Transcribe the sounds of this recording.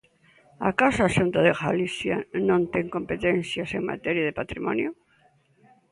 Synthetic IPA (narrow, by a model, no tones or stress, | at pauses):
a̰kasʃunt̪aðeɣaliθjanõnt̪ɛŋkompet̪ɛnθjaseŋma̰t̪ɛɾjaðɪpat̪ɾimɔ̰njʊ